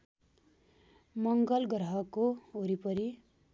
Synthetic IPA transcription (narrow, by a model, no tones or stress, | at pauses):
mʌŋɡʌlɡɾʌɦʌkooɾipʌɾi